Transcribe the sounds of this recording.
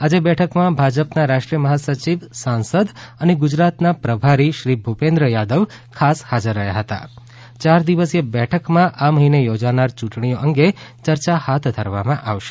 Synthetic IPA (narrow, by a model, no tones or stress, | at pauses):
ad͡ʒebɛʈʰəkmãbʱad͡ʒəpnaɾaʃʈɾijəməɦasət͡ʃiʋsãnsəd̪əneɡʊd͡ʒɾat̪napɾəbʱaɾiʃɾibʱupẽnd̪ɾəjad̪əʋ | kʰashad͡ʒəɾːəɦja̰ɦət̪a̰ | t͡ʃaɾd̪iʋəsebɛʈʰəkmãʔaməɦinejod͡ʒanaɾt͡ʃũʈɳioʔəŋɡet͡ʃəɾt͡ʃahat̪ʰd̪ʱəɾʋa̰mãʔa̰ʋʃe̥